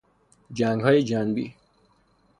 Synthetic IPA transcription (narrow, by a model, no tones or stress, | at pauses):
d͡ʒæːŋɡɦɒːjed͡ʒæːnbḭː